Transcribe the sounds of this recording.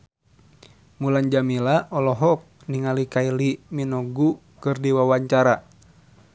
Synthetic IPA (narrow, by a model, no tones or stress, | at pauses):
muland͡ʒamilaʔɔlɔɦɔk̚ | niŋalikailiminɔɡu | kɨrdiwawaɲt͡ʃaɾa